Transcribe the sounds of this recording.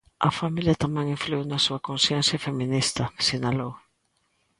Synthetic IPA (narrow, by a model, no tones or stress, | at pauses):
ɐ̰familjɐt̪amɛ̃ŋĩɱfluiwnɐsuɐkõnsjẽnsjafemĩnist̪ɐsinalow